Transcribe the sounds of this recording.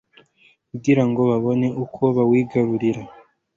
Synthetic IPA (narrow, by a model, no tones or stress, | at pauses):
uɡiɾaŋɡo̞βaβo̞ne̞ʔukʰo̞βawiːɡaɾuɾiɾa